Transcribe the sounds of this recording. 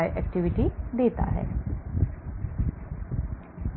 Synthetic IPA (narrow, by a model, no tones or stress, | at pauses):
jʔɛk̚ʈiʋiʈid̪eːt̪a̰ɦɛ̰ː